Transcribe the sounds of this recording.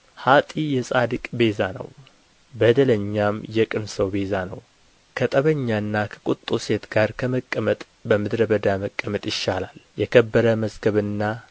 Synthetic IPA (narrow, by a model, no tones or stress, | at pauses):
hat̪ʼijɛsʼad̪ɨkʼbe̞zanə̰w | bəd̪ələɲːamjɛkʼɨnsəwbe̞zanəw | kʰət̪ʼəβəɲːaɨnːakʰə̥kʼut̪ʼːuse̞t̪ɡ̥aɾkʰəməkʼːəmət̪ʼ | bəmɨd̪ɾəbəd̪aməkʼːəmət̪ʼjɪʃːalaljɛkʰəbːəɾəməzɡəβɨnːa